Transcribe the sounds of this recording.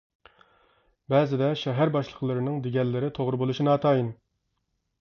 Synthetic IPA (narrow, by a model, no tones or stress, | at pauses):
bɛːzɪd̪ɛʃɛɦæɾbɑʃlˠəqlˠɨɾɨnɨŋd̪eɡʲɛlːɪɾɪt̪ʰoʁɾɨbolˠuʃinɑːt̪ʰɑːjin